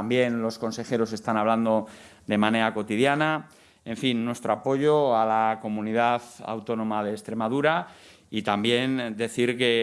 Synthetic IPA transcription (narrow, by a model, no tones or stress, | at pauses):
ambje̞nlo̞sko̞nse̞xe̞ɾo̞se̞st̪anaβland̪o̞ | d̪e̞mãne̞ɾako̞t̪iðjana | e̞ɱfinːwe̞st̪ɾoapo̞ʝoalako̞mũniðaθa̰wt̪o̞nõ̞mað̞e̞ːst̪ɾe̞maðuɾa | it̪ambje̞nd̪e̞θiɾke̞